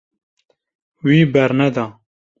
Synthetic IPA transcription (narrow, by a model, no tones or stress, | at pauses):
wiːbɛɾnɛd̪ɑ